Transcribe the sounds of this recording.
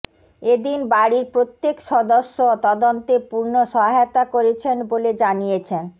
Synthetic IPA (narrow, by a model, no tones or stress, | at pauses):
ed̪inbaɽiɾpɾot̪ːekʃɔd̪oʃːot̪ɔd̪ont̪epuɾnoʃɔɦaeot̪akoɾet͡ɕʰenboled͡ʑanijet͡ɕʰen